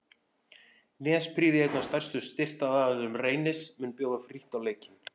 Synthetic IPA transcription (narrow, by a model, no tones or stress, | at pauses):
nɛːspʰɾiːðɪejt̪nast̪ajr̥st̪ʏst̪ɪr̥t̪aðaːððʏɾʏmreːjnɪsmɛnpjoːwðafɾiht̪awleːjcɪn